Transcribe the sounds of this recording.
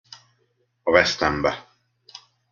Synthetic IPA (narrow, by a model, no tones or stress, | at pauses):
ɒvɛst̪ɛmbɛ